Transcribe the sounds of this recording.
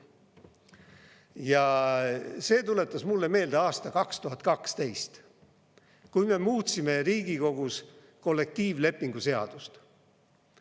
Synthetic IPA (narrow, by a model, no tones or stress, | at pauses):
jɑ | se̞ːt̪ule̞t̪ːˑɑsmulːe̞me̞ːld̪̥eɑːst̪ɑkɑkst̪uɦɑt̪̚kɑkst̪e̞jst̪ | kujme̞muːt̪sime̞ɾiːɡ̥iko̞ɡ̥us | ko̞lːe̞k̚t̪iːvle̞pːˑiŋɡ̥use̞ɑ̰d̪̥ust̪